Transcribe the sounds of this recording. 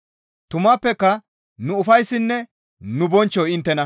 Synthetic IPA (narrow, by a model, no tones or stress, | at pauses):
t̪ʊmaːpːɛkːɐ | nʊʊfɐjsːɪnːɛ | nʊbɔnt͡ʃːɔɪnt̪ːɛnɐ